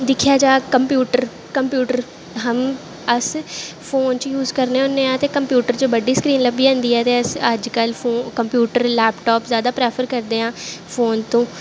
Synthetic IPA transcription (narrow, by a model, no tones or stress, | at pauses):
d̪ɪkʰijaːd͡ʒaːkəmpjuːʈəɾ | kəmpjuːʈəɾ | ɦəm | əsfʰoːnt͡ʃjuːzkəɾneːʊnːeːãːt̪eːkəmpjuːʈəɾt͡ʃobəɖiːskɾiːnləbiːãːnd̪iːɛːt̪eːəsəd͡ʒkəlfʰoːkəmpjuːʈəɾlɛːpʈɔːpzjaːd̪aːpɾɛːpʰəɾkəɾd̪eːɦãːfʰoːnt̪õː